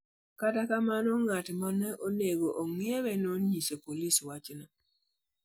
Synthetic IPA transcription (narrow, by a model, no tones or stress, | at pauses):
kadakamanɔŋatmanɛʔoneɡoʔoŋieβɛnoɲisepoliswat͡ʃna